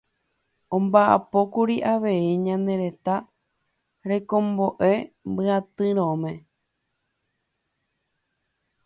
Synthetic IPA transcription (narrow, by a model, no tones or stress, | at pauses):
õ̞mbaʔa̰po̞kuɾiʔaʋe̞iɲãne̞ɾe̞t̪a | ɾe̞kõ̞mbo̞ʔe̞mbɨat̪ɨɾ̃õmẽ̞